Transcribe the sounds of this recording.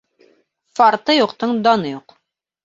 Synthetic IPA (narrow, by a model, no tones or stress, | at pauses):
fɑɾt̪ɤjuqt̪ɤɴd̪ɑnɤjuq